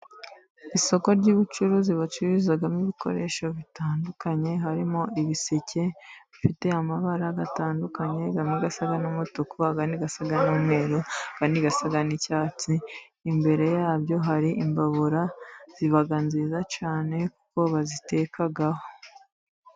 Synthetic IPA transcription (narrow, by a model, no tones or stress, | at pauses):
iso̞ko̞ɾɟuβut͡ʃuɾuziβat͡ʃuβizaɡamiβiko̞̰ɾe̞ːʃo̞βitaːndukaɲe̞ɦaɾimoʔiβisecʰe̞βifite̞amaβaɾaɡataːndukaɲe̞ɡamiɡasaɡanumutukuaɡaniɡasaɡanuːmŋe̞ːɾoaɡ̥andiɡasaɡanicaːt͡siː | mbe̞ɾe̞jaːbjo̞ɦaɾiʔimbaβuɾaz̥iβaɡanzizat͡ʃaːne̞ku̥ko̞βazite̞ːkaɡaho